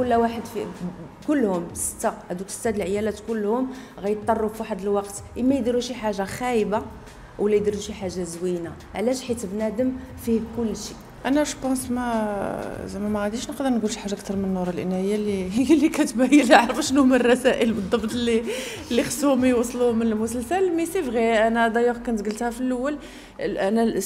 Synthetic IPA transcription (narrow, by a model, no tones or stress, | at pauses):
kʊlːwaħəd̪fi | kʊlːhʊmsə̥t̪ːahæd̪uksə̥t̪ːæd̪əlʕəjælæt̪kʊlːhʊmɣæjt̪ˤːɑrˤːuffiħad̪əlwɑqt̪ʔəmːæjd̪iɾuʃiħaʒaxæjba | wlæjd̪iɾuʃiħaʒːazwina | ʕlæʃħit̪əbnæd̪əmfihkʊlːʃi | ʔænæʃpɑ̃smæ | zæmæmææd̪iʃnəqd̪əɾnɡulʃiħaʒːaʔək̚t̪ɑɾˤmənːuɾˤəlʔənæjːalilːikæt̪bæjəlʕɾəfʃnumərˤːɑsæʔəlbəd̪ˤːɑbt̪ˤlːi | lːixsumijwɑsˤluhmːənəlmʊsəlsəlmisifɣiʔænæd̪ɑjæqkænt̪ɡəlt̪hæfilʔəwːæl | ʔænæ